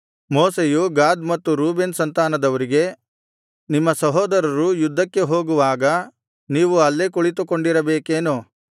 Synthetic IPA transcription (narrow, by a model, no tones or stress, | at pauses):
moːsejuɡaːd̪mɐt̪ːuɾuːbensɐnt̪aːnɐd̪ɐʋɐɾiɡe̞ | nimːɐsɐɦɔːd̪ɐɾɐɾujud̪ʱːɐkːe̞ɦo̞ːɡuʋaːɡɐ | niːʋuɐlːekuɭit̪uko̞ɳɖiɾɐbeːkeːnu